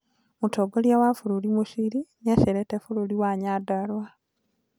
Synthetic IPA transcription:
mutʰoɡoljawafuɾulimuʃiɾinaʃeɾetefululiwaɲadalwa

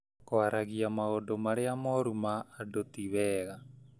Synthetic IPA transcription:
koaɾaɡiamaodomaɾeamoɾumaːdot̪iβɛɣa

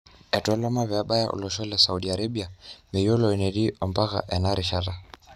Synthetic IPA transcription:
ɛtɔlɔmaβjaɓaja̰ʔṵlɔʃɔlɛsauɗiaɾaɓiamɛjɔlɔinɛdiɔmbaɣa̰ʔɛnaɾiʃata

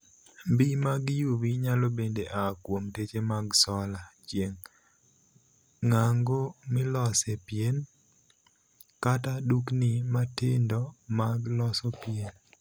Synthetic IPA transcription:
bimaɡjubiɲalobendeʔakwomtet͡ʃemaɡsɔlat͡ʃjeŋ | aŋɡomɪlɔsepien | kataduknɪmatɪndɔmaɡlɔsɔpjen

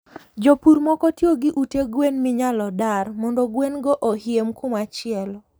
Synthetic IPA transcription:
d͡ʒopuɾmɔkɔtjoɡɪʔuteɡwenmɪɲalɔdarmɔndɔɡwenɡɔʔohɪemkʰʊmat͡ʃɪɛl

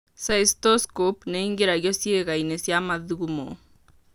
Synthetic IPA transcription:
saistoskopneiŋɡeɾaɣjɔsjeɣainesjamaðuɣumo̰

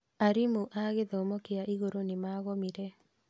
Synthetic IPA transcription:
aɾimuʔaɣɪðɔmɔkɪjaʔiɣoɾonɪmaɣɔmiɾɛ

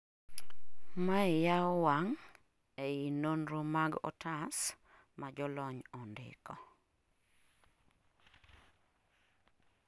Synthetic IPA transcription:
maɪjawaŋ | ɛinonɾomaɡɔ̰tʰas | mad͡ʒɔlɔɲɔndɪ̰kɔ

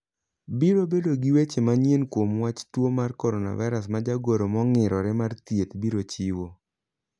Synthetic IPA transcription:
biɾobedoɡiwet͡ʃemaɲjenkwomwat͡ʃtwomarkɔɾɔna̰vaɾasmad͡ʒaɡoɾomɔŋɪɾɔɾɛmart̪jet̪biɾot͡ʃiwo

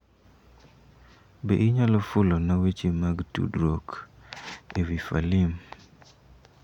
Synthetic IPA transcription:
bḛʔɪɲalɔfʊlɔnawet͡ʃemaɡtṵdɾok | ewifa̰lim

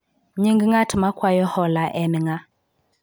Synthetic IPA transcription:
ɲiŋɡiŋatʰɪmakʰwajɔhɔlaʔɛmɪŋa

